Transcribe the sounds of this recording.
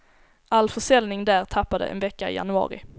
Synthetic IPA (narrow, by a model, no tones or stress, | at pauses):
ʔalːfœʂɛlnɪŋd̪æːɾt̪ʰapːad̪ə̰ʔɛ̰nvɛkːaɪ̰ja̰nɵɑ̰ːɾɪ̰